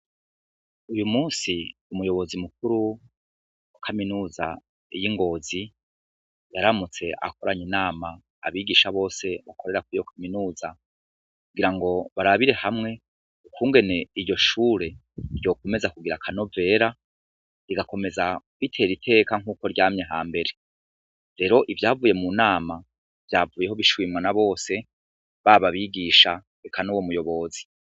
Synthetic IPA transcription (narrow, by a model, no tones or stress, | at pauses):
ujumuːsiumujo̞βo̞zimuk̚uɾu | wakʰaminuːza̰ | jiŋɡo̞ːzi | jaɾamut͡se̞ʔa̰ko̞ɾaɲinaːma̰ː | βiɡiʃaβo̞ːse̞βako̞ɾe̞ɾakuijo̞kʰaminuːza | kuɡiɾaŋɡo̞βaɾaβiɾe̞hamŋe̞ | ukuːŋɡe̞ne̞iɾɟo̞ʃuːɾe̞ | ɾjo̞ːko̞me̞zakuɡiɾakʰano̞ve̞ːɾa | iɡako̞me̞za | βitʰe̞ːɾitʰe̞ːkaŋ̥uːko̞ɾɟaːmɲeɦaːmbe̞ɾe̞ | ɾe̞ːɾo̞ʔivjaːvuːje̞munaːma | vjaːvuːje̞ho̞βiʃwiːmwanaβo̞ːse̞ | βaβaβiɡiʃa | ekʰanuwomujo̞βo̞ːzi̥